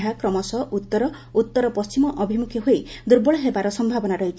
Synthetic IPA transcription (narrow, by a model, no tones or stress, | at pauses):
ɦakɾɔmɔsɔʔut̪ːɔɾɔ | ut̪ːɔɾɔpɔst͡ʃimɔʔɔbʱimukʰjɔɦoed̪uɾbɔɭɔɦebaɾɔsɔmbʱabɔnaɾɔɦit͡ʃʰi